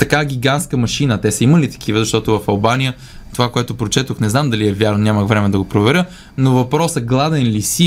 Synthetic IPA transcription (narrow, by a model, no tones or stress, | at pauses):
t̪ɐkaɡʲiɡanskəmɐʃinət̪ɛsəimɐlit̪ɐ̥k̟ivəzɐʃt̪ɔt̪ʊvɐfɐlˠbanijə | t̪ovakoɛt̪ʊpɾot͡ʃɛt̪oxnɛznamd̪ɐliɛvʲjaɾnonʲaməxvɾɛmɛd̪ɐɡopɾovɛɾʲə | novɐpɾɔsəɡlˠad̪ɛnlisi